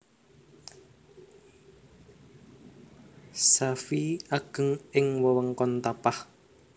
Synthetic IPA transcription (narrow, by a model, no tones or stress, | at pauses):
safiaɡ̥ə̤ŋɪŋwɔwəŋkɔnt̪apah